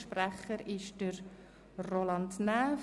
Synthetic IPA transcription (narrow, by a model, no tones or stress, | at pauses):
ʃpræχəɾɪʃd̥əɾ | rolɑntnæf